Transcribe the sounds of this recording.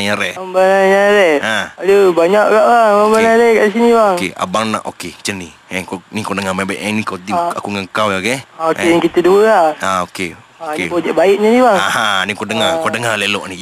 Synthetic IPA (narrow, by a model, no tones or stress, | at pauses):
ɲaɾɛambanaɲaɾɛaaləbaɲaʔkaʔbaŋməmbanaɾɛkaʔs̬inibaŋkea̰baŋna̰ʔoket͡ʃəni | ɛkonikonəŋamaibaiʔɛnikot̪iakuŋəŋkawaɡɛaokenikit̪əduaaoke | okekod͡ʒaʔbaiʔ̚ɲanibaŋahanikodəŋakodəŋalelɔʔni